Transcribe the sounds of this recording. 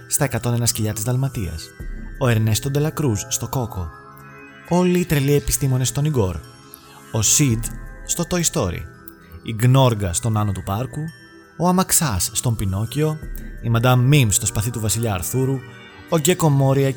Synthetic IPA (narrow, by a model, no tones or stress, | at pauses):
st̪ɐe̞kɐt̪o̞ne̞nɐsciʎɐt̪izðɐlmɐt̪iɐ̰so̞e̞ɾne̞st̪o̞nd̪e̞lɐkɾusːt̪o̞ko̞ko̞ | o̞liːt̪ɾe̞lie̞pi̥st̪imo̞nest̪o̞niɡo̞ɾ | osid̪st̪o̞t̪o̞ist̪o̞ɾḭ | iɡno̞ɾɡɐst̪o̞nɐno̞t̪upɐɾku | oɐmɐksɐsːt̪o̞mpino̞cio̞imɐd̪ɐmːimst̪o̞spɐθit̪uvɐsiʎɐːɾθuɾu | oɟe̞ko̞mo̞ɾiɐ